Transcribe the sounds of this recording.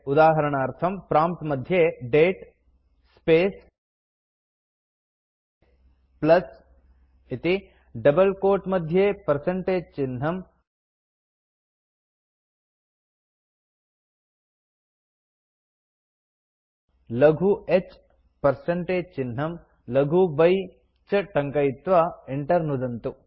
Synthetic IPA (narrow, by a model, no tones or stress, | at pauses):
ʊd̪aːɦɐɾəɽ̃aːɾt̪ʰɐmpɾaːmp̚t̪mɐd̪ʱjeɖeːʈ | speːs | plɐs | ɪt̪i | ɖɐbəlkoːʈmɐd̪ʱjepɐɾsẽɳʈeːd͡ʒt͡ʃɪn̤ɦɐm | lɐɡʱuet͡ʃ | pɐɾsɐɳʈeːd͡ʒt͡ʃinɦɐm | lɐɡʱubɐj | t͡ʃɐʈɐŋkɐjit̪ʋɐeɳʈɐɾnud̪ɐnt̪u